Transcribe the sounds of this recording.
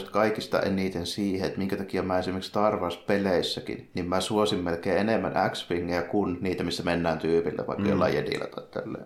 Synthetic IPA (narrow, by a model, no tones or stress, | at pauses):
st̪kɑikist̪ɑ̰ʔenit̪ensiːheet̪miŋkæt̪ɑkiæmæːesimekst̪ɑrʋɑːˑspeleˑisːækḭnnimmæsuosimmelkeːenemːænækspiŋːijækunniːt̪æmisːæmenːæːnt̪yːpilːḛʋɑ̰ikːɑjo̰lːɑˑjedḭlæ̰t̪ɑt̪ːḛlːḛːˑ